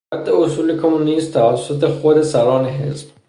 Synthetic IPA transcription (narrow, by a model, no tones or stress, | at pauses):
æd̪ːeosuːlekʰomunist̪t̪ʰævæsːot̪ʰe̞xod̪e̞sæɾɒːneɦḛsb̥